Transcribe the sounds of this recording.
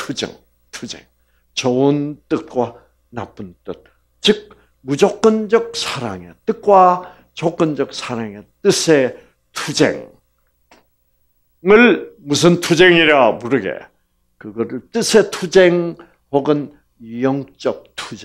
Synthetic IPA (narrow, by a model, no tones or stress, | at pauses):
tʰud͡ʑḛŋ | tʰud͡ʑḛŋ | t͡ɕʌont͈ɯk̚k͈wa | na̰p͈ɯnt͈ɯk̚ | t͡ɕɯk̚ | mud͡ʑʌk͈ɯnd͡ʑʌk̚sʰaɾa̰ŋḛt͈ɯk̚k͈wa | t͡ɕʌk͈ʌnd͡ʑʌk̚sʰaɾaŋet͈ɯsʰe | tʰud͡ʑḛŋ | ŋɯɭmusʰɯntʰud͡ʑeŋiɾamuɾɯɡḛ | kɯɡʌɾɯɭt͈ɯsʰe̞tʰud͡ʑeŋ | hoɡɯn | ijʌŋt͡ɕ͈ʌk̚tʰud͡ʑe